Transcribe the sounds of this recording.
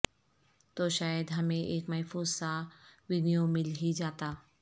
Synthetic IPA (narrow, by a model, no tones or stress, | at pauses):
t̪oːʃaːjəd̪ɦɐmẽʔeːkmɐɦfuːzsãʋɪnijomɪlɦid͡ʒaːt̪aː